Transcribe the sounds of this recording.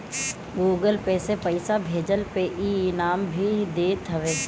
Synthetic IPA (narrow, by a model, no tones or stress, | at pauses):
ɡuːɡəlpɛːsepɐɪsabʱeːd͡ʒəlpeʔinaːmbʱid̪eːt̪ɦɐʋeː